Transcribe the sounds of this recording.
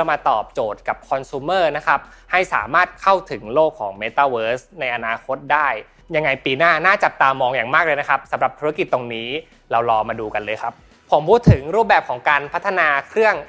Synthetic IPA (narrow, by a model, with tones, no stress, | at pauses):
wmaː˧t̪ɔː˨˩p̚t͡ɕoː˨˩t̪̚ka˨˩p̚kʰɔ˧nsuː˧˦mɤː˥˩na˦˥kʰa˦˥p̚ | ha˥˩jsa̰ː˩˦maː˥˩t̪̚kʰa˥˩wt̪ʰɯ˩˦ŋloː˥˩kʰːɔː˩˦ŋmeː˧t̪aː˧˩wɤː˦˥sna˧jʔa˧naː˧kʰo˦˥t̪̚daː˥˩j | ja˧ŋːa˧jpiː˧naː˥˩naː˥˩t͡ɕa˨˩p̚t̪aː˧mɔː˧ŋjaː˨˩ŋmaː˥˩k̚lɤː˧jna˦˥kʰa˦˥p̚sa˨˩˦mɾa˨˩p̚t̪ʰu˧˦a˦˥ki˨˩t̪ːo˧ŋniː˦˥ | ɾa˧wlɔː˧maː˧duː˧ka˧lɤː˧jkʰa˦˥p̚ | pʰo˩˦mpʰuː˦˥t̪ʰːɯ˩˦ŋɾuː˥˩p̚bɛː˨˩p̚kʰɔː˩˦ŋkaː˧npʰa˦˥t̪ʰːa˧naː˧kʰɾɯ˥˩əŋ